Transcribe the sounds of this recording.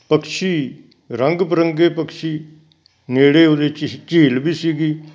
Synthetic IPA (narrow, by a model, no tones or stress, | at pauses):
pəkʃiː | ɾəŋɡpəɾəŋɡeːpəkʃiː | neːɽeːoːd̪eːt͡ʃiːlbiːsiːɡiː